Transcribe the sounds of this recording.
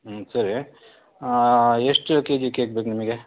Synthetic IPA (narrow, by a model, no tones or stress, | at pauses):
sɐɾi | eʂʈked͡ʒikek̚beknimeɡe